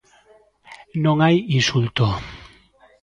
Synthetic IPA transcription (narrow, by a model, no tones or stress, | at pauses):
nõŋajinsult̪o